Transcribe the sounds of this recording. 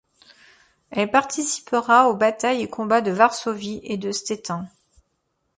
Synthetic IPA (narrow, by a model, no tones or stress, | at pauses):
ɛlpaʁt̪isi̥pəʁaobat̪ajekʰɔ̃bad̪əvaʁsoviʔed̪əst̪et̪ɛ̃